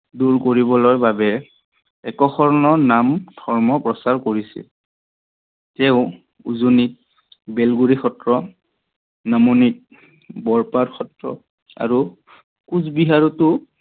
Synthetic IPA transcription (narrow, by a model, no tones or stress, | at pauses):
duɹkoɹibɔlɔjbabɛ | ɛkɔxʰɔɹɔnɔɹnamd̥ʰʱɔɹmɔpɹɔsaɹkoɹisḭl | tɛʊ | ṵzunit̚ | bɛlɡuɹixɔtɹɔ | namonit̚ | bɔɹpadxɔtɹɔ̰ | a̰ɹu | kuzbiɦaɹutʊ